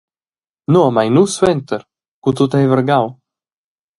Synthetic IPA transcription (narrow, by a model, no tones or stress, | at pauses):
nuamajnuswɛnt̪əɾ | kut̪ut̪ɛjvəɾɡaw